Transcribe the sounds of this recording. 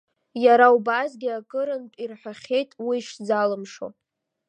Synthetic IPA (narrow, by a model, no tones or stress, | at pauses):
jaɾaubazɡʲiakʼɨɾɨnpʼirħʷᶣaχʲe̞jtʼwiːʃd͡zalɨmʂo̰